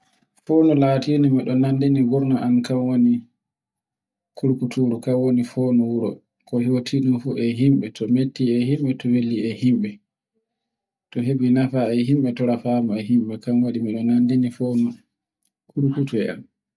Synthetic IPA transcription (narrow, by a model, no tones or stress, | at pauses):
foːnɔlatinimiɗɔnandiniɡuɾnaʔankamwoni | kʰuɾkutuɾukawonifoːnuwuɾɔ | kɔhotʰiɗumfuʔɛɦimɓɛtɔmetːiɛhimɓɛtɔwelːiɛhimɓɛ | tɔɦebinafaɛɦimɓɛtɔɾafaːmɔɛɦimɓɛkamwaɗimiɗɔnandinifonu | kuɾkutuɛa̰n